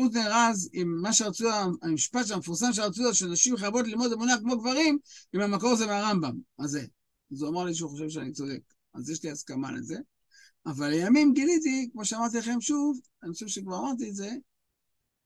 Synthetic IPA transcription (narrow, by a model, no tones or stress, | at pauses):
ut̪̬neʁazimːaʃeʁat͡suaamiʃpat̪ʃ̬eamefuʁsamʃ̬eʁat͡suazʃeanaʃimχaabo̞tlilmod̪emunakmo̞ɡvaʁimimamako̞ʁazemeaʁambamaze | azuamaʁliʃ̬uχo̞ʃe̞vʃeanit͡so̞de̞̰k | a̰zjeʃliaskama̰lḛze̞ | avalejamimɡilit̪̬ikmo̞ʃeamaʁt̪ilaχe̞mʃuv | anoʃivʃekvaʁamaʁt̪̬ietze̞